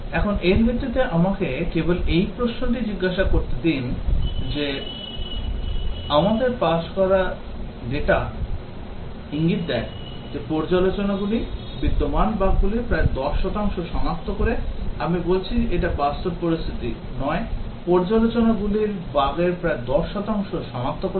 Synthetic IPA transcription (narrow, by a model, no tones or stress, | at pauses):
ɛkʰoneɾmʰʱet̪ːet̪eʔamakekebolejpɾoʃnoʈ̬id͡ʑiɡːaʃakoɾt̪ed̪ind͡ʑe | amad̪eɾpaʃkɔɾa | leʈa | iŋɡit̪̚d̪ɛk | d͡ʑepɔɾd͡ʑalot͡ɕonaɡuli | bid̪ːomanbaɡɡulipɾaed̪ɔʃːɔt̪aŋʃoʃɔmak̚t̪ʰokoɾeamibolt͡ɕʰieʈabast̪obpoɾist̪ʰit̪ḭ | nɔe | pɔɾd͡ʑalot͡ɕonaɡuliɾbaɡeɾpɾaed̪ɔʃːɔt̪aŋʃoʃɔmak̚t̪ʰokoɾe